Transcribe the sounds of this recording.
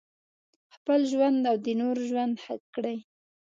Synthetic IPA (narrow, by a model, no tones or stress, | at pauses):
xpəlʒwand̪awd̪ənoɾʒwand̪ha̰kkːɽəj